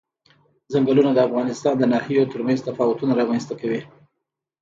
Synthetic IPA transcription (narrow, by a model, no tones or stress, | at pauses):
zaŋɡəlunad̪əafɣɑnɪst̪ɑnd̪ənɑhijot̪əɾmanzt̪afɑwʊt̪unaɾɑmanst̪akawi